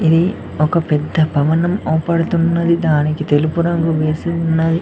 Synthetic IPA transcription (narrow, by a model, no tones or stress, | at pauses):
iði | ɔkːɐpɛd̪ːɐpɐʋɐnɐmoːpːɐɽɯt̪ːunːɐðid̪aːnekːit̪elupuɾɐŋɡɯʋeːsɯunːɐði